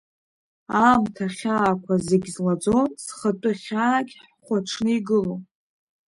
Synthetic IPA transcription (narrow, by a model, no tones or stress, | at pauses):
amtʰaχʲaːkʷʰazeɡʲzlad͡zo̞nsχətʼɨχʲaːɡʲħħχʷaʈ͡ʂʰnɨiɡɨlo